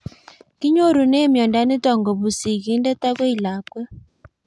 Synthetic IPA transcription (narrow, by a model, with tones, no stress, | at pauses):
ki˦ɲo˦ɾu˨neː˦mjɔ˨nda˦ni˦tɔ˨ŋɡɔ˨βu˨si˨ki˦ndɛ˦ta˦ɣe˦i˨la˨kwe˦